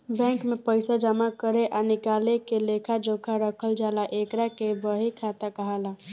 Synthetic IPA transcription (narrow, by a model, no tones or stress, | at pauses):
bɛ̃ŋkmepəɪsad͡ʒəmakəɾeʔanikalekelekʰad͡ʒokʰaɾəkʰəld͡ʒalaʔekɾakebəɦikʰat̪akəɦala